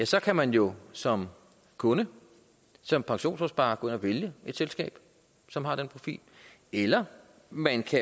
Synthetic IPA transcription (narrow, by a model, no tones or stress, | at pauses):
jæsɒ̽kʰæmænjo̝sɒ̽m | kʰɔ̽nə | sɒ̽mpʰɑ̈ŋɕo̝̰ːnfɒsb̥ɑ̈ːkʰɔenɒʋe̝ljəe̝d̥selsɡ̥ɛ̰ːb̥ | sɒ̽mɦɑ̈d̥enpʰʁo̝fḭːl | elɐ | mænkʰæ